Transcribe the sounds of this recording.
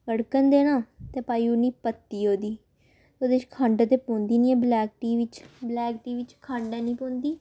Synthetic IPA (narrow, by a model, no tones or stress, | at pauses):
kəɽkənd̪eːɽãːt̪eːpaːiːʊnːiːpət̪ːiːɦoːd̪iː | t̪oːd̪eːʃkʰãːɳɖaːt̪eːpõːnd̪iːnĩːɛ̃ːblɛːk̚ʈiːʋɪt͡ʃblɛːkʈiːʋɪt͡ʃkʰãːɳɖɛ̃ːnĩːpõːnd̪iː